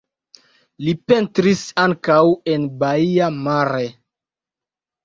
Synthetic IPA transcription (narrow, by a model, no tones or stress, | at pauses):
lipe̞ntɾisaŋkawe̞nbaiamaɾe